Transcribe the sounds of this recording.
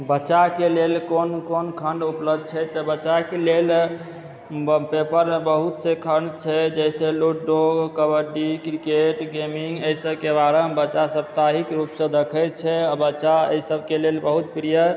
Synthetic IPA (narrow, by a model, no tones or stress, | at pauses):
bətːt͡ʃakelelkonkonkʰəɳɖupləbd̪̚t͡ʃʰɛt̪əbət͡ʃakelel | pepəɾebəɦut̪sekʰəɳɖt͡ʃʰɛd͡ʒɛjseluʈɖoɡkəbəɾɖikɾikeʈɡemiŋɡəisəbkebaɾəmbəːt͡ʃasəp̚t̪aɦikɾupsə̃d̪əkʰəjt̪t͡ʃʰɛabət͡ʃaə̰isəbkelelbəɦut̪̚pɾijə